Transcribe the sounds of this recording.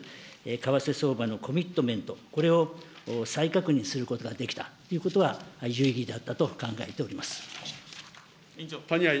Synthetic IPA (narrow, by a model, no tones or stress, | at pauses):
ekaβase̞so̞ːbano̞kʰo̞mʲit̪ːo̞mẽ̞nt̪o̞ko̞ɾe̞o̞ | saikakɯ̟ɲ̟isɨɾɯ̟ko̞t̪o̞ɡad̪e̞kʲi̥t̪at̪ːo̞jiɯ̟ko̞t̪o̞ajɯ̟iɡʲid̪at̪ːat̪o̞kãŋɡae̞t̪e̞o̞ɾʲimasɨ̥ | t̪aɲia